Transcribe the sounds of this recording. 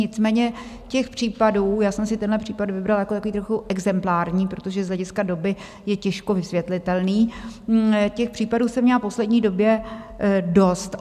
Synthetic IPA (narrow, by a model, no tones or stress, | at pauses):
ɪt͡smɛːɲɛ | cɛxpr̝̥iːpaduːjaːsɛmsɪt̪ɛnɦlɛpr̥iːpad̪vɪbɾaljakot̪akoviːt̪ɾoxuʔɛɡzɛmplaːɾɲiːpɾot̪o̞ʒɛzlɛɟɪskado̞bɪ | jɛcɛʃkovɪsvjɛt̪lɪt̪ɛlniː | cɛxpr̝̥iːpaduːsɛmɲɛlapo̞slɛdɲiːdo̞bjɛ | do̞st̪